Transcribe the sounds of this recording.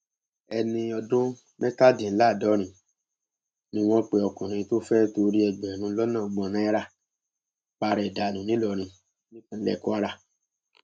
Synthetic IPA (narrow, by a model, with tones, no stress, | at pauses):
ɛ˧nĩ˧ɔ˧dũ˦ | mɛ̃˦ka˦dĩ˨n̩˦la˦˨dɔ˨˦ɾ̃ĩ˧ | nĩ˧˦w̃ɔ̃˦k͡pe˧ɔ˧kũ˨ɾ̃ĩ˧to˦fɛ˦to˧ɾi˦ɛ˧ɡ͡bɛ˨ɾ̃ũ˧˦lɔ˦nã˦˨ɡ͡bɔ̃˧˨nã˨˦ɛ˦ɾa˦˨ | k͡pa˧ɾɛ˨da˨nũ˨nĩ˦lɔ˧˨ɾ̃ĩ˧ | nĩ˦kũ˧n̩˦lɛ̰˦˨ku˦a˦ɾa˧˨